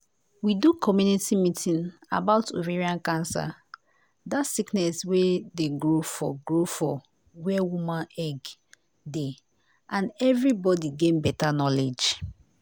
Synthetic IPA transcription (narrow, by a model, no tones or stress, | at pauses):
widukʰɔmjunitimitʰĩna̰baʊtʰo̰veɹiãnkãnsa̰ | datsiknɛswedeɡɹofɔɡɹofɔ | wɛwumãnɛɡ | de | ʔãnɛvɹibɔdiɡẽnbɛtanɔled͡ʒ